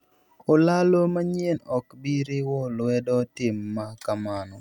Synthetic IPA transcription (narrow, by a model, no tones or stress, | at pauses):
olalomaɲjenɔkbiɾɪwɔlwɛdɔtɪmːakamanɔ